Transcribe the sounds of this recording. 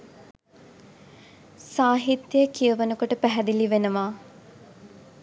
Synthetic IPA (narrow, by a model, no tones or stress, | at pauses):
saːɦit̪jəjəkijəʋənəkoʈəpæɦɛd̪iliʋenəʋaː